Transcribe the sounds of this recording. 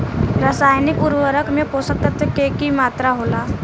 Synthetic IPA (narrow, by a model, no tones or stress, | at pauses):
ɾəsaːjnɪkuɾʋəɾəkmẽposək̚t̪ət̪əkeːkimaːt̪ɾaɦoːlaː